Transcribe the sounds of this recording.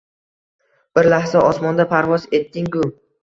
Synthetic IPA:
b̥ɪɾlahsaɒsmɒnd̪apʰaɾvɒze̞t̪ːɪŋɡʊ

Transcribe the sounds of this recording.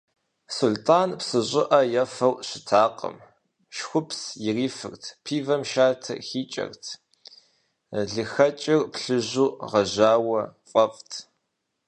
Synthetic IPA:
sʊɮtʰʼaːnpsɨʑʷʼɪʔɐjɐfɐwɕɪtʰaːqə̰m | ʃxʷʊpʰsjɪriːfɨ̰rtʰpʰiːvɐmʃaːtʰɐ̰xiːt͡ʃʼɐ̰rtʰ | ɮɨxɐt͡ʃʼɪrpɬɨʑuːʁɐʑaːwɐfʼɐfʼtʰ

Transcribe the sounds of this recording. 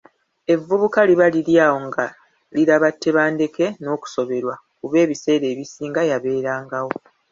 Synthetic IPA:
e̞vːuβukaliβaliljaːwo̞ŋɡa | liɾaβatːe̞βaːnde̞ke̞no̞ːku̥so̞βe̞ɾwa | kuβe̞ːβise̞ːɾe̞ːβisiːŋɡajaβe̞ːɾaːŋɡawo̞

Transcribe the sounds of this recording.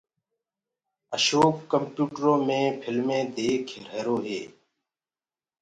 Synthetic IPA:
əʃoːp̚kəmpjuːʈɾõːmẽːpʰɪlmẽːd̪eːkʰɾ̤eːɾoːɦḛː

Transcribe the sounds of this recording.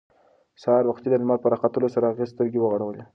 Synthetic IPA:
saɑɾwaxt̪id̪aɪmɑlpəɾɑqat̪əlosaɾaːɣezst̪əɾɡewəɣaɽawəle

